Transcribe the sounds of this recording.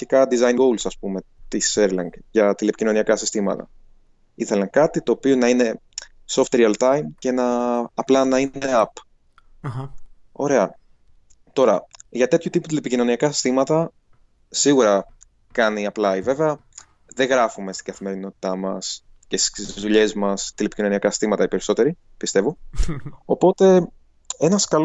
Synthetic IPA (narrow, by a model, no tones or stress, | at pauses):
ikɐd̪izɐjŋɡowlsɐspume̞t̪iseɾlɐŋɡʝɐt̪ile̞picino̞niɐkɐsist̪imɐ̰t̪ɐ̰ | iθe̞lɐŋkɐt̪it̪o̞ːpionɐine̞ | soft̪ɾiɐlt̪ɐjmce̞nɐːplɐnɐine̞ɐp | o̞ɾe̞ɐ | t̪o̞ɾɐʝɐt̪e̞t̪çut̪iput̪ilepicino̞niɐkɐsi̥st̪imɐt̪ɐ | siɣuɾɐ | kɐniɐplɐive̞veɐ | ðeɣɾɐfume̞st̪iŋɡɐθime̞ɾino̞t̪i̥t̪ɐmɐs | cest̪i̥izðuʎe̞zmɐst̪ilepicino̞niɐkɐsi̥st̪imɐt̪ɐipe̞ɾiso̞t̪e̞ɾi | pist̪e̞vo̞ | opo̞t̪e̞ | e̞nɐskɐl